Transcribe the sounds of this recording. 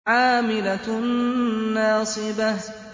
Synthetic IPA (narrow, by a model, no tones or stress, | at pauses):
ʕaːmɪla | ɑːsˤɨba